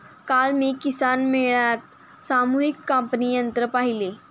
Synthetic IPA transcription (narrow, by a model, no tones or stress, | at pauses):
kalmiːkisanmiɭjat̪̚ | samuɦikːəmpniːjənt̪ɾəpaɦile